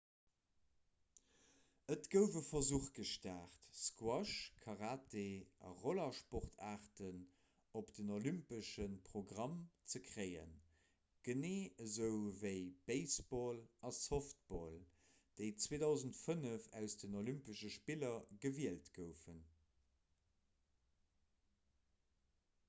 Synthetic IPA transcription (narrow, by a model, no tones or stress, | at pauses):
ətɡ̥əʊvəfɐzuːχɡ̥əʃtæːχtskwɑʃkʰɑʁaːteʔɑ̰ʁolɑʃpoχtʰaːʁtən | opd̥ənolympəʃənpʁoɡʁɑmt͡səkʰʁeɪə̰n | ɡ̥əneːəzəʊvəɪb̥eɪsb̥oːlɑsoft̚b̥oːl | d̥eɪt͡sweːdɑʊzəntfənəfæ̰ʊsd̥ənolympəʃəʃpilɐɡəviəltɡ̥əʊfən